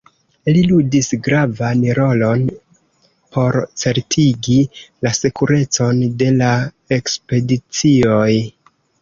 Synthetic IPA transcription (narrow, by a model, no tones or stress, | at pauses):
liludisɡɾavanɾo̞lo̞n | po̞ɾt͡se̞ɾtʰiɡilasekuɾe̞t͡so̞nde̞la | e̞kspe̞dit͡sio̞j